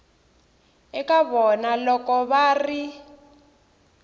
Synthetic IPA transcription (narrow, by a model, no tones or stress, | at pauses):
ɛkaβɔnalɔkɔβaːri